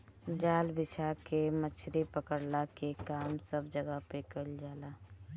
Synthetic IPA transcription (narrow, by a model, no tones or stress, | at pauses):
d͡ʒaːlbɪt͡ʃʰakemət͡ʃʰɾipəkəɾlakekaːmsəbd͡ʒəɡəpekəld͡ʒaːlaː